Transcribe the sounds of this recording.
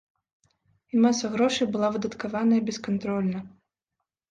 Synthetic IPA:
imasɐɣɾɔʂɨjbɨlˠavɨd̪ɐt̪kavanɐjɐbʲɛskant̪ɾɔlʲnɐ

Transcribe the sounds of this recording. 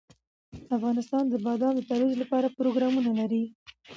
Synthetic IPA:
afɣɑnɪst̪ɑnd̪əbɑd̪ɑnd̪ət̪aɾwizlapɑɾapɾoɡɾɑmunalaɾi

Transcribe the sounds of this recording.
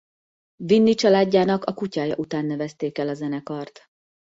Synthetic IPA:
vinːit͡ʃɒlaːɟːaːnɒkɒkucaːjɒʔut̪aːnːɛvɛst̪eːkɛlɒzɛnɛkɒrt̪

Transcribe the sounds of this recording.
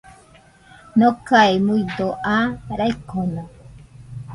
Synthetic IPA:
nokaimuid̪oʔaɾaikona

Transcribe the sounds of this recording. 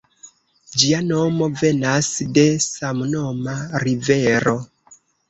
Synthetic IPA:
d͡ʒiano̞mo̞ve̞nasde̞samuno̞maɾive̞ɾo̞

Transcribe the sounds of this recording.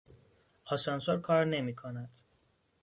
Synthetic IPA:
ɒːsɒnsoɾkʰɒːɾne̞miːkʰonæd̪̥

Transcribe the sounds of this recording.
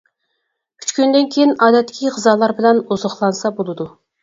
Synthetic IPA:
kʲʰy̥t͡ʃkʲynd̪ɪnkʲʰejinɑːd̪ɛt̪ːɪ̥kʲʰiʁəzɑːlˠɑɾbɪlɛnuzɑχlˠɑnsɑbolˠɨd̪u

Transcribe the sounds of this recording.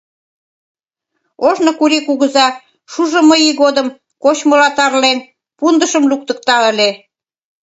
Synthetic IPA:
oʒnokuɾikuɣəzɑ | ʃuʒŏməjiɣod̪əm | kot͡ɕmolɑt̪ɑrlen | pund̪əʃəmluk̚t̪ə̆k̚t̪ɑə̆lʲe

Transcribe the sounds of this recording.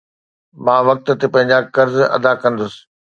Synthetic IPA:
mãːʋɐk̚t̪̆t̪epɐ̃ɦɪ̃ɲd͡ʑakɐɾzɐ̰d̪akɐ̃nd̪ʊsɪ̥̆

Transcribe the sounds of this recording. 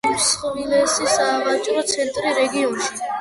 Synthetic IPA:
isχvilɛsisaːvat͡ʃʼɾɔt̪sʰɛnt̪ʼɾiɾɛɡiɔnʃi̥

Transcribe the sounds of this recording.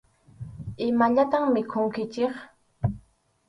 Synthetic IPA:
ɪmaʎat̪aŋmɪkʰʊŋkɪt͡ʃeχ

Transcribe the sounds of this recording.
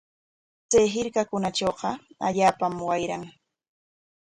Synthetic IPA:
t͡sajɦɪɾkakʊnat͡ʃoːqɑa̰ʎaːpamwajɾaŋ

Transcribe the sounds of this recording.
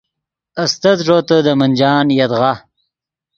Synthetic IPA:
ɐst̪ɐt̪ʐoːt̪əd̪əmɐnʲd͡ʒɑːnjɐd̪ɣa

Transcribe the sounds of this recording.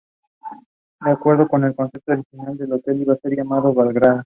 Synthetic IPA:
d̪eakwe̞ɾðokone̞lkonsep̚t̪ooɾixinald̪elot̪eliβase̞ɾʝamaðoβalɣɾa

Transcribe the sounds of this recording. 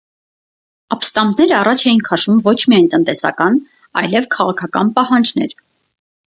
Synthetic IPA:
ɑpst̪ɑmbnɛɾəɑrɑt͡ʃʰɛjinkʰɑʃumvɔt͡ʃʰmiɑjnt̪ənt̪ɛsɑ̰kɑn | ɑ̰jlɛvkʰɑʁɑkʰɑkɑ̰npɑɦɑnd͡ʒnɛ̰ɾ

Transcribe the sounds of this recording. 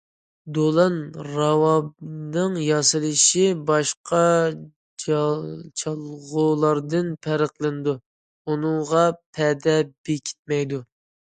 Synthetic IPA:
d̪olˠɑnɾɑwɑb̚nɨŋjɑsɨlˠɨʃɪbɑʃqʰɑ | t͡ʃʰɑlˠʁʊlˠɑɾd̪ɨnpʰæɾəqlˠɨnɨd̪u | unɨŋʁɑpʰɛd̪ɛbekʲʰi̥t̪̚mɛjd̪u

